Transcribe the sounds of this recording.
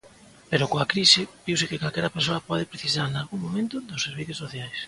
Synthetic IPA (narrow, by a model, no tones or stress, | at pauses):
peɾʊkoakɾisɪbiwsɪkɪkalkɛɾɐpeɾsoɐpɔðɪpɾeθis̬aɾnalɣuŋmomẽnt̪ʊd̪ʊseɾβ̞iθjosoθjajs